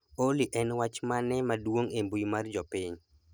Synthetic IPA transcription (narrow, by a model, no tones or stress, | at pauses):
oliʔɛnwat͡ʃmanɛmadwoŋembujmard͡ʒɔpiɲ